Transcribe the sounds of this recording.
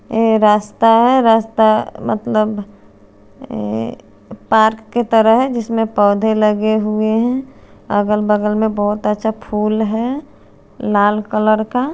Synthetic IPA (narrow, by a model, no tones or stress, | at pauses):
eɾaːst̪aɦɛɾaːst̪amə̰t̪ləb | paːɾkːet̪əɾəɦɦɛd͡ʒɪsmẽpɔːd̪ʱeləɡeɦueɦɛ̃ | ə̰ɡəlbəɡəlmẽbəɦʊt̪ətːʃʰapʰuːlɦɛ | laːlkələɾka